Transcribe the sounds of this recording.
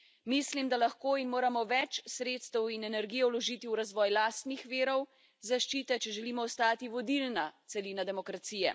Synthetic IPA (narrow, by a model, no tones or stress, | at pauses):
mislimd̪alaxkoːinmoːɾamɔʋɛt͡ʃsɾeːt̪st̪ɛwinɛnɛɾɡijɛlɔʒiːt̪iuɾazʋɔːjlaːst̪nixʋeːɾɔw | zaʃt͡ʃiːt̪ɛt͡ʃɛʒɛliːmɔːst̪aːt̪iʋɔd̪ilnat̪sɛlinad̪ɛmɔkɾat̪siːjɛ̰